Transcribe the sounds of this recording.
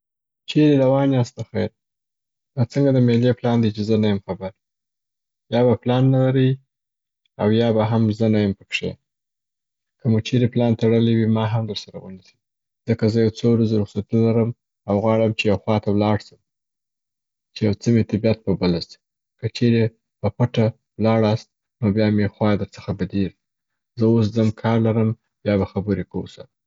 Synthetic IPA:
t͡ʃeɾeɾawɑnjɑst̪axaɾ | d̪ɑt͡səŋɡad̪əmeljeplɑnd̪it͡ʃezənajəmxabaɾ | jɑbaplɑnːalaɾəj | awjɑbaɦamzənajəmpəpʂḛ | kəmut͡ʃeɾeplɑnt̪aɽəliwimɑɦamd̪əɾsaɾa̰wənisi̥ | z̥əkazəjawt͡sowɾazoɾʊxsat̪nlaɾəm | awɣwɑɽəmt͡ʃejawxwɑt̪awlɑɽsəm | t͡ʃejawt͡səmet̪ɪbjat̪̚pəbəlasi̥ | kət͡ʃeɾe | papəʈa | wlɑɽast̪̚ | nobjɑmexwɑd̪əɾt͡sə̥xabad̪iɾ | zəoszəmkʰɑɾlaɾəm | bjɑbaxabəɾekawusa̰

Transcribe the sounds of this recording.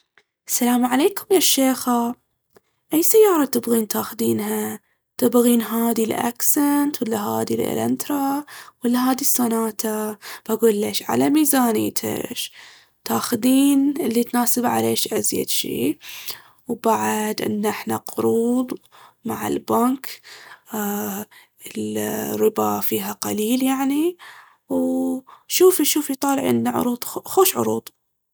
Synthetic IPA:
ʔasːalaːmʕaleːkʊmjaːʃːeːxa | ʔajsajːɑːɾˤɑt̪ɪbɣiːnt̪aːxd̪iːnha | t̪ɪbɣiːnɦaːd̪ilʔa̰ksant̪wɪlːaɦaːd̪ilʔɪ̰lʔɪ̰nt̪ɾˤɑwɪlːaɦaːd̪isˤːanaːt̪ʰab̥aɡuːlːeːʃʕa̰lamiːzaːnḭːt̪ʰa̰ʃ | t̪aːxd̪iːnɪlːit̪naːsɪbʕa̰leːʃʔazja̰d̪ʃḭː | wbaʕad̪ʔɪ̰nːʔɪħnaqʊɾuːd̪ˤmaʕɪ̰lbaŋkː | ɪlrːɪbafiːɦaqaliːljaʕni | w | ʃuːfiʃuːfjt̪ˤɑːlɪʕʔɪ̰nːaʕʊ̰ɾˤuːd̪ˤxoːʃʕʊ̰ɾuːd̪ˤ

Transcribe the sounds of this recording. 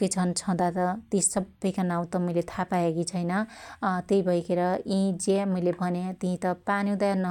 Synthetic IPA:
kʌt͡sʰʌnt͡sʰʌ̃d̪at̪ʌt̪isʌbːʌjkanaw̃t̪ʌmʌjlet̪ʰapaeɡit͡sʰʌjnʌt̪eibʱʌjkeɾʌĩd͡zemʌjlebʱʌnet̪iɦĩt̪ʌpanjũd̪aenʌ

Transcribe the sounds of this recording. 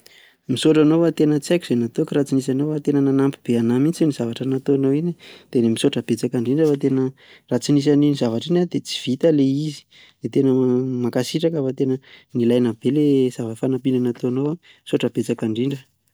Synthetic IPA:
misoʈ͡ʂanowat̪enət͡siajku̥z̥enat̪okɾat͡sinisanowat̪enənanampib̥eanamint͡sienizavaʈ͡ʂanat̪oanoinid̪̥enemisoʈ͡ʂəb̥et͡sakaɳɖ͡ʐiɳɖ͡ʐafat̪enə | rat͡sinis̬aninizavaʈ͡ʂinad̪et͡si̥v̥it̪aleizi̥ | d̪̥et̪enəmakasiʈ͡ʂakafat̪enənilajnab̥elezavafanapiɳɖ͡ʐanat̪oanowa | misoʈ͡ʂəb̥et͡sakaɳɖ͡ʐiɳɖ͡ʐə

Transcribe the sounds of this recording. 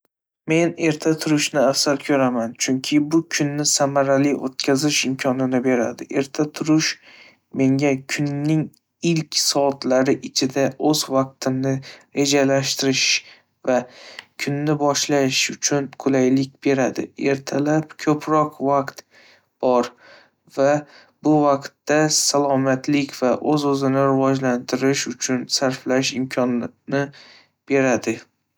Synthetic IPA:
me̞ne̞ɾt̪ʰat̪ʰʊɾʊʃnɪafsaɾkʲʰɵɾamant͡ʃʰʊŋkʲʰɪbʊkʲʰʊnːɪsamaɾalɪʔo̰t̪̚kʲʰazɪʃɪmkʲʰɒnɪnɪbe̞ɾa̰d̪ɪʔe̞ɾt̪ʰat̪ʰʊɾʊʃ | me̞ŋʲakʰʊnːɪŋ | ɪlkʲsɒt̪ʰlaɾɪʔɪt͡ʃʰɪd̪aɵzvaq̚t̪ʰɪmnɪɾe̞d͡ʒalaʃt̪ɪɾɪʃ | vakʰʊnːɪbɒʃlaʃʊt͡ʃʰʊnkʰʊlajlɪk̚ʲb̥e̞ɾad̪ɪ̰e̞ɾt̪ʰalapkʲʰɵpʰɾɒqvaqt̪ | b̥ɒɾ | va | bʊvaqt̪ːasalˠɒmat̪lɪkʲvaʔɵzɵzɪnɪɾɪvɒd͡ʒlant̪ʰɪɾɪʃʊt͡ʃʰʊnsaɾflaʃɪmkʰɒnnɪ | b̥e̞ɾad̪ɪ

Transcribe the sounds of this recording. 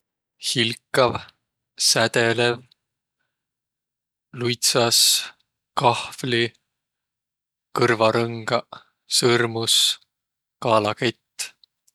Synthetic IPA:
hilkːˑɑv | sæt̪elev | lujt̪sɑs | kɑhvli | kɤrvɑɾɤŋɡ̥ɑ | sɤrmus | kɑːlɑket̪ː

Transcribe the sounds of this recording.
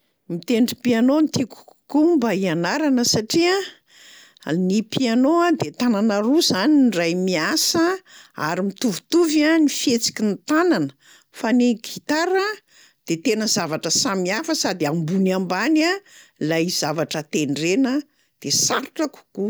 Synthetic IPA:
mit̪eɳɖ͡ʐipianont̪iku̥ku̥kumbaianaɾanəsaʈ͡ʂia | nipianoad̪et̪ananaɾuzaninrajmiasəa̰ɾimit̪uvu̥t̪uvanifiet͡si̥kʲint̪ananə̥ | faniɡit̪aɾə | d̪̥et̪enəzavaʈ͡ʂəsamiafəsad̪iambunambanalaiz̥avaʈ͡ʂət̪eɳɖ͡ʐenə | d̪̥esaɾu̥ʈ͡ʂəku̥ku

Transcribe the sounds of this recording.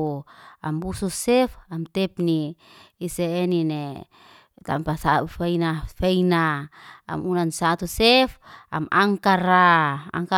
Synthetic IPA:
ambususɛfamt̪ɛpniː | seːnine | t̪ampasaufainafeinaa̰munansat̪usefa̰maŋkaɾaa̰ŋka

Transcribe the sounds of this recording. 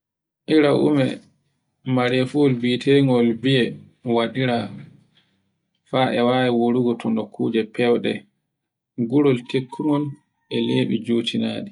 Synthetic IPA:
ʔiɾaʔṵmɛ | maɾɛfuɔlbitʰeŋɡɔlbiɛ | waɗiɾa | faʔɛwajɛwoɾuɡɔtʰɔnɔkʰːuːd͡ʒɛpɛwɗɛ | ɡuɾɔltekʰːumɔn | ʔɛleːɓḭd͡ʒoːtinaːɗi

